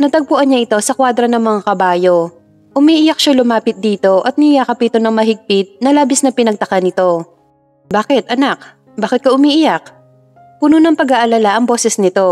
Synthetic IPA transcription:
nɐt̪ɐɡ̚pʊʔɐnɲɐʔɪt̪o̞sɐkwaːd̪ɾɐnɐŋmɐŋakɐbaːjo̞ | ʔʊmiːʔɪjak̚ʃalʊmaːpɪt̪̚d̪iːt̪o̞ʔɐt̪̚nɪɪjakɐpit̪onɐŋmɐɦɪɡ̚pɪt̪̚nɐlaːbɪsnɐpɪnɐɡ̚t̪ɐkanɪt̪o̞ | baːkɪt̪ʔɐnak̚ | baːkɪt̪̚kɐʔʊmiːʔɪjak̚ | pʊnunɐŋpɐɡaʔɐlɐlaʔɐŋbo̞ːsɛsnɪt̪o̞

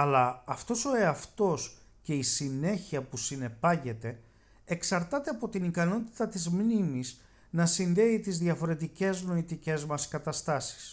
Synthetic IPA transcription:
ɐlɐːft̪o̞so̞e̞ɐft̪o̞sce̞isine̞çiɐpusine̞pɐʝe̞t̪e̞ː | ksɐɾt̪ɐt̪eɐpo̞t̪inikɐno̞t̪i̥t̪ɐt̪izmnimis | nɐsinðe̞it̪izðʝɐfo̞ɾe̞t̪ice̞zno̞it̪ice̞zmɐskɐt̪ɐst̪ɐsi̥s

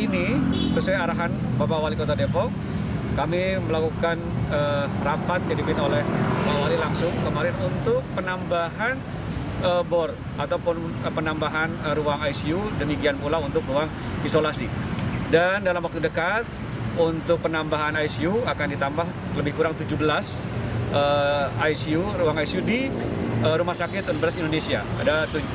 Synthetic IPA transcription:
inibəsuaaɾaɦan | bapaawalikot̪adepɔk | kamiməlakukanərapat̪̚kadipɪnolɛhbapawalilaŋsʊŋkəmaɾɪnunt̪ʊk̚pənambaɦan | əbɔr | at̪awpʊn | əpənambaɦanəɾuaŋajsiudəmikianpulaunt̪ʊkruaŋ | isolasidandalamwak̚t̪udəkat̪̚ | unt̪ʊk̚pənambaɦanajsiuakandit̪ambah | ləbɪhkuɾaŋt̪ud͡ʒubəlas | əajsiuruaŋajsiudiəɾumahsakɪt̪un̚bəlasindonesia̰adat̪ud͡ʒ

